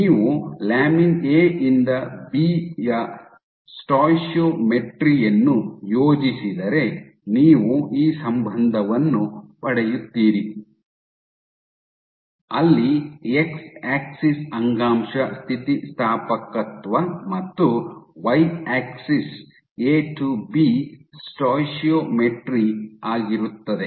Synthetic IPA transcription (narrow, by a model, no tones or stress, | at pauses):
niːʋulaːmineːʔind̪ɐbijɐ | sʈaːjʃoːmeʈɾijɐnːujoːd͡ʒisid̪ɐɾe̞ | niːʋuiːsɐmbʱɐnd̪ʱɐʋɐnːupɐɽejut̪ːiːɾi | ɐlːieksaːksisɐŋɡaːmʂɐst̪ʰit̪ist̪ʰaːpɐkɐt̪ʋɐmɐt̪ːuʋɐjʈaːksis | eːʈubisʈaːjʃjoːmeʈɾiaːɡiɾut̪ːɐd̪e̞